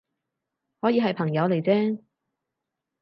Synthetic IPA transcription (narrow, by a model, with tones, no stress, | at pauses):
hɔː˨˥jiː˨˧ɦɐ˨jpʰɐ˨˩ŋjɐ˨˧wle˨˩jt͡sɛː˥